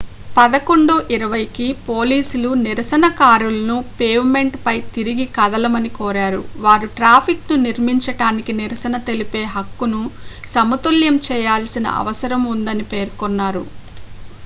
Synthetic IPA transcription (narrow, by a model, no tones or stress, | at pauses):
pɐd̪ɐko̞ɳɖuʔiɾɐʋɐjikipo̞ːliːsuluniɾɐsɐnɐkaːɾulɐnupeːʋme̞ɳʈpɐjt̪iɾiɡikɐd̪ɐlɐmɐnikɔːɾaːɾṵʋaːɾuʈɾaːpʰiknuniɾmiɲt͡ʃɐʈaːnikiniɾɐsɐnɐt̪e̞lipe̞ːɦɐkːunusɐmɐt̪uljɐmt͡ʃɛːjaːlsinɐ̰ʔɐ̰ʋɐsɐɾɐmund̪ɐnipe̞ːɾkɔnːaːɾṵ